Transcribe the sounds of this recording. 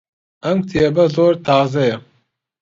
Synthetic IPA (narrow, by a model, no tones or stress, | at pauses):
ɐmt̪ʰijɛbɐzoːɾt̪ʰaːzɐjɛ